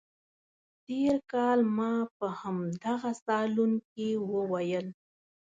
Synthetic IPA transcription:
ʈeɾkɑlmɑpəhamd̪aɣasɑlunkewəwajəl

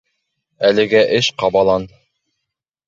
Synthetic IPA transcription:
ælɘ̆ɡæʔɘʃqɑβɑlˠɑn

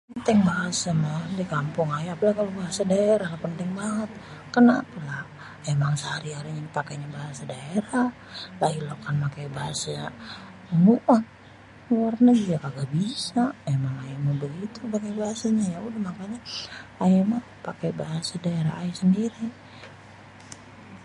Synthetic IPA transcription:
pənt̪ɪŋbaɦasamadikampʊŋajapalahkalobaɦasadaeɾahlapənt̪ɪŋbaŋət̪̚ | kənapalah | emaŋsəhaɾiaɾiɲapakaɲabaɦasadaeɾah | lailokanpakajbaɦasaɲa | muʔan | arnaɡiɡakaɡabisaemaŋajamabəɡit̪upakajbaɦasaɲajaudahmakaɲaajama | pakebaɦasadaeɾa̰aisəndiɾi

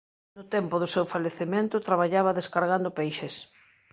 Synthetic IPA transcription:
nʊt̪ɛmpʊðʊsewfaʎeθemẽnt̪ʊt̪ɾaβaʎaβɐðeskaɾɣand̪ʊpejʃes

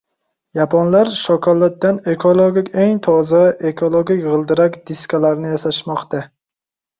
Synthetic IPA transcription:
japʰɒnlaɾʃɒkʰɒlˠːat̪̚ːane̞kʰolˠoɡʲikʲeŋt̪ʰɒzaʔe̞kʰolˠoɡʲɪkʲʁɨlˠd̪ɪɾakʲd̪̥ɪskʲʰalaɾnɪjasaʃmɒqt̪a

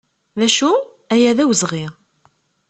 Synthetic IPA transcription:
ðæʃu | æjæðæwəzʁi

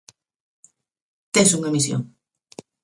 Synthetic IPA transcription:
t̪esuŋɐmisjo̰ŋ

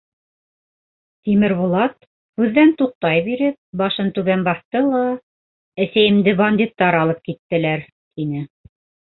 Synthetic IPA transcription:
t̪imɘɾβulˠɑt̪ | hʉðːænt̪uq̚t̪ɑjbiɾɘp̚bɑʃɤnt̪ʉβænbɑθt̪ɤlˠɑ | æsæjɘ̆md̪ɘbɐnʲd̪ʲit̪ːɑɾɑlˠɤp̚kit̪ːɘ̆læɾ | t̪inɘ

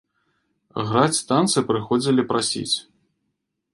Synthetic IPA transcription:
ɣɾat͡sʲst̪ant̪sɨpɾɨxɔd͡zʲilʲipɾʔasʲḭt͡sʲ

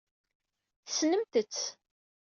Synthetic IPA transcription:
θsnəmt̪ət͡sː

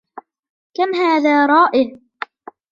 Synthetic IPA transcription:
kamɦaːðaːɾˤɑːʔɪʕ

